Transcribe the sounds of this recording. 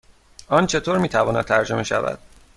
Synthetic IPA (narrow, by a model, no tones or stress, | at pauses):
ɒːnt͡ʃʰe̞t̪ʰoːɾmiːt̪ʰævɒːnæ̰d̪t̪ʰæɾd͡ʒo̞me̞ʃæ̰væ̰d̪̥̚